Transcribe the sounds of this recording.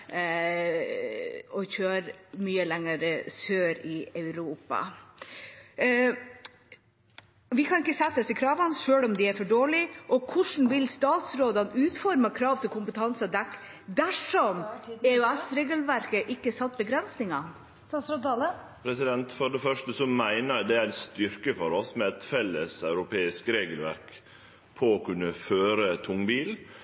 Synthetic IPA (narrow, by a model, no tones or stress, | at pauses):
ɔçøːɾmyːəlɛŋəɾəsøːɾɪɑʉɾuːpɑ̰ | ʋɪkʰɑnɪkːəsɛt̪ːəsɪkʰɾɑːʋɑnʂøːlɔmd̪ɪæɾfɔɖoːɭɪʔɔkʰʊʂɳn̩ʋɪlst̪ɑːt̪sɾoːd̪ɑnʉːt̪fɔɾməkʰɾɑːʋt̪ʰɪlkʰʊmpət̪ʰɑnsɑd̪ɛkː | d̪æʂɔmeʉɛsɾeːɡəlʋæɾkəʔɪkːəsɑt̪ːbəɡɾɛnsnɪŋɑ | slə | pʰɾɛsɪd̪ɛnt̪fɔɖɛfœʂʈəsɔmæɪnəɾd̪ɛæɾst̪ʏɾkəfɔɾɔsmɛɛt̪fɛlːəsɑʉɾʊpʰeːɪskɾeːɡəlʋæ̰ɾk | pʰɔːkʉnːəføːɾət̪ʰʊŋbiːl